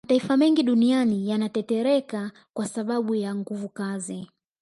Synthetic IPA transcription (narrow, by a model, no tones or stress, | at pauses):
ataifamɛŋɡiɗunianijanatɛtɛɾɛka | kwasaɓaɓujaŋɡuvukazi